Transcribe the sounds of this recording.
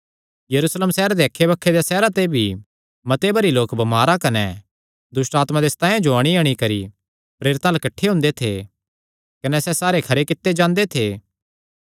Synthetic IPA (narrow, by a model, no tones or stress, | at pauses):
jɐɾuːsləmsɛːɾad̪eɐkʰːebɐkʰːed̪jasɛːɾat̪ebʱi | mɐt̪ebɐɾiloːkbɐmaːɾakɐnɛ | d̪ʊsʈaːt̪mãd̪eːst̪ãːijãd͡ʒoɐɽ̃iɐɽ̃ikɐɾi | pɾeːɾɪt̪ãlɐkɐʈʰːeɦʊ̃nd̪et̪ʰḛ | kɐnɛsɛsaːɾekʰɐɾekɪt̪ːed͡ʒãːnd̪et̪ʰeː